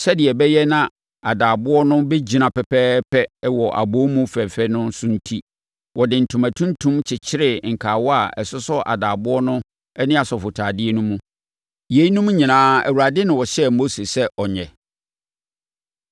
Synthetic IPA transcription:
sɛ˦dɪ˨ɛ˨bɛ˦jɛ˦nã˦ | a˨daː˨bʊ˦ɔ˦nʊ̃˦bɛ˦d͡ʑi˨nã˨pɛ˨pʰɛː˦pʰɛ˦wɔ˨ʔa̰˨bo˦mũ˦fɛ˨fɛ˦nʊ̃˦sʊ̃˦n̩˦tʰi˦ | wɔ˨dɪ̃˨n̩˨tʰũ˨mæ˨tʰũ˦ntʰũ˦mt͡ɕʰɪ˨t͡ɕʰɪ˦ɾɪ˨ŋ̩˨kʰaː˨wɔ˦a˨ɛ̰˨sʊ˦sʊ˦ʔa̰˨daː˨bʊ˦ɔ˦nʊ̃˦ | ɛ˦nɪ̃˦a˨sɔ˨fʊ˨tʰaː˨dɪ˦ɛ˦nũ˦mũ˦ | je˨˦i˦nũ˦m̃˦ɲĩ˨nãː˨˦æ̰˨wu˨a˨dɪ˦nɪ̃˨wɔ˨ɕɛ˦mo˦se˨sɛ˦ʔɔ˨ɲɛ̃˨

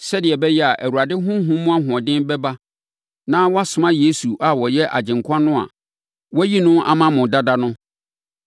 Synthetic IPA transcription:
sɛ˦dɪ˨ɛ˨bɛ˦jɛ˦a˨ʔæ˨wu˨ɾa˨dɪ˦ɦʊ̃˦ɦũ˦mʊ̃˦a˦ɦʊ̃˨ɔ̃˨dɪ̃˦nbɛ˦ba˦ | nãː˦wɔ˦a˦sʊ˨mã˦je˦su˨ʔa˨wɔ˨jɛ˦ʔa̰˨d͡ʑɪ̃˨ŋ˨kʷʰã˦nʊ̃˦a̰˨ | wɔ˦ji˦nʊ̃˦ʔa̰˨mã˦mʊ̃˨da˦da˦nʊ̃˦

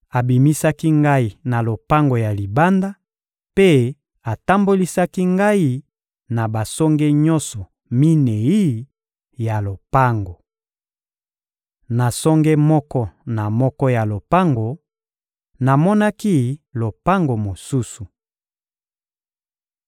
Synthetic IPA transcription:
a˨bi˨mi˦sa˦ki˦ŋɡa˦i˦na˨lo˨pa˦ŋɡo˨ja˨li˨ba˦nda˦ | pe˦ | a˨ta˦mbo˦li˦sa˦ki˦ŋɡa˦i˦ | na˨ba˨sɔ˦ŋɡɛ˦ɲɔ̃˦nsɔ˨ | mi˦ne˨i˦ | ja˨lo˨pa˦ŋɡo˨ | na˨sɔ˦ŋɡɛ˦mɔ˦kɔ˦na˨mɔ˦kɔ˦ja˨lo˨pa˦ŋɡo˨ | na˨mɔ˦na˦ki˦lo˨pa˦ŋɡo˨mo˨su˦su˨

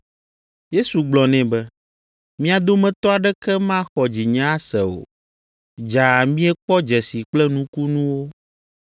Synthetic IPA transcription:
je˦su˨ɡ͡blɔ˨nɛ̃˨bɛ˦ | mĩ˦a˨d̪o˦mɛ̃˨t̪ɔ˦a˨ɖɛ˦kɛ˦mã˦xɔ˨d͡ʑi˨ɲã˦sɛ˨o̰˨ | d͡ʒa˨mĩ˦ɛ˦k͡pɔ˦d͡ʒɛ˨si˨k͡plɛ˦nũ˦ku˦nũ˦wo˦

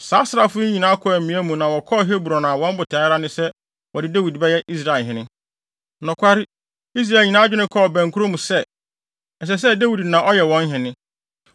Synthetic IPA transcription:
saː˦sɪ˨ɾa˦fʊ˦ĩ˨nã˦kʰɔ˦æ˨mĩ˨˦æ˦mũ˨nã˨wɔ˨kʰɔ˦˨ɦe˦bu˨ɾɔ˨nã˨wɔ̃˦m̩˦bʊ˨tʰa˨˦ɾa˦nɪ̃˦sɛ˦ | wɔ˨dɪ˦dæ˦wi˨dbɛ˦jɛ˦ʔi˦s̬ɾa˨lɦɪ̃˨nɪ̃˦ | nʊ̃˨kʷa˦ɾɪ˦ | i˦s̬ɾa˨e˨lɲĩ˨nã˦d͡ʑᶣɪ˦nɪ̃˦kʰɔ˦˨bæ̃˨ŋ˨kʰu˦ɾo˦mũ˨sɛ˦ | ɛ˨s̬ɛ˨s̬ɛ˦da˦wi˨dnã˨ʔɔ˦jɛ˨wɔ̃˦n˦ɦɪ̃˨nɪ̃˦

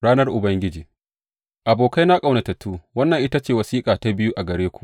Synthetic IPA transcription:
ɽaː˦nɐ˦rʔʊ˨bɐ˦ŋɡʲɪ˦d͡ʒiː˨ | ʔa˨boː˨ka˦jna˦kʼa˨wna˨tɐ˨tːuː˦wɐ˦nːɐ˨ŋʔɪ˦ta˦t͡ʃeː˨wɐ˨siː˦kʼaː˨ta˦bɪ˦ju˦ʔa˨ɡɐ˨ɽeː˦kʷu̥˦˨ʔ

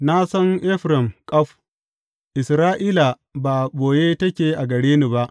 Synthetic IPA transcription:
na˦sɐ˦ŋʔɪ˦ɸɾɪ˨mkʼɐ˦ɸ | ʔɪ˨sɾaː˦ʔiː˦la˨ | ba˨boː˨je˦tɐ˦kʲeː˨ʔa˨ɡɐ˨ɽeː˦ni˨ba˦ʔ

